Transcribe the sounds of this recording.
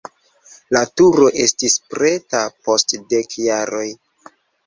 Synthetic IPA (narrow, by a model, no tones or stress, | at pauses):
latuɾo̞ʔe̞stispɾe̞tapo̞stde̞kjaɾo̞j